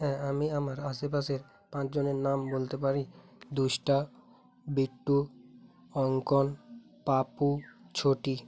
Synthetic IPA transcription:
ɦɛ̃amiamaɾasepaseɾ | pãt͡ɕd͡ʑoneɾnambolt̪epaɾi | d̪uʃʈa | biʈːu | ɔŋkon | paput͡ɕʰoʈi

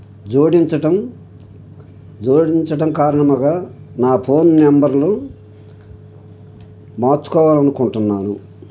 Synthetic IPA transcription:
d͡ʒoːɽiɲt͡ʃɐʈɐm | d͡ʒoːɽiɲt͡ʃɐʈɐmkaːɾɐɳɐmɐɡaː | naːpʰo̞ːnmɛmbɐɾloː | maːɾt͡ʃu̥kɔːʋaːlɐnukuɳʈunːaːnṵ

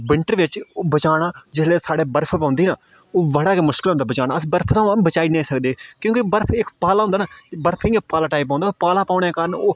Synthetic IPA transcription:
bɪɳʈəɾʋɪt͡ʃːbət͡ʃaːɽaːd͡ʒɪsleːsaːɽeːbəɾpʰpãːnd̪iːnaː | oːʋəɽaːkeːmʊʃkɪlɦʊnd̪aːbət͡ʃaːɽ̃aːəsbəɾpʰt̪ãːabət͡ʃaːinẽːsəkd̪eːkjõːkibəɾpʰɪkpaːlaːɦʊ̃nd̪aːnaːbəɾpʰiːaːpaːlaːʈaːip̬ãːnd̪aːpaːlaːpaːɽeːkaːɾənoː

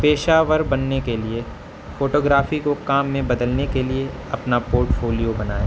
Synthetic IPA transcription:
peːʃaːʋəɾbɐnːekelie | foːʈoːɡɾaːfikokaːmːẽbɐd̪əlnekelie | ɐpnapoːɾʈfʰoːlijobɐna̰ːḛː

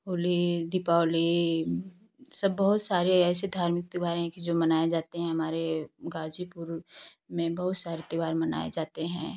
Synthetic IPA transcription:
ɦoːlid̪ɪpaːli | sɐbːɐɦʊt̪saːɾeɛːsed̪ʱaːɾmɪk̚t̪ɪbaːɾɦɛ̃kid͡ʒoːmɐnaːed͡ʒaːt̪eɦɛ̃ɦɐmaːɾeɡaːd͡ʒipʊɾ | mẽbɐɦʊt̪saːɾet̪ɪʋaːɾmɐna̰ːḛd͡ʒaːt̪eɦɛ̰̃ː

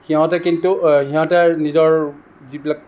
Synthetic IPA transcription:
xiɦɔ̃tɛkintuxiɦɔ̃tɛnizɔɹ | zibilak̚

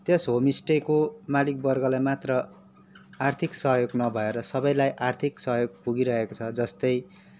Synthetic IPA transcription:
t̪esɦomisʈekomalik̚bʌrɡʌlajmat̪rʌ | art̪ʰiksʌɦjoɡnʌbʱʌeɾʌsʌbʌjlajʔart̪ʰiksʌɦjoɡ̚puɡiɾʌɦekot͡sʰʌd͡zʌst̪ʌj

